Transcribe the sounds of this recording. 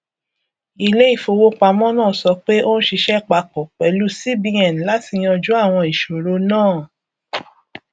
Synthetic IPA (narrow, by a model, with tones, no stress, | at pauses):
i˧le˦i˦˨fo˧wo˦k͡pa˧mɔ̃˦nãː˦˨sɔ˧k͡pe˦ʔo˦n̩˦ʃi˧ʃɛ˦˨k͡pa˧kɔ˨k͡pɛ˨lu˦si˦bĩ˧ɛ˨n˨la˨˦ti˦˧j̃ɔ˧d͡ʒu˦a˦˨w̃ɔ̃˧i˨ʃo˨ɾo˧˦nãː˦˨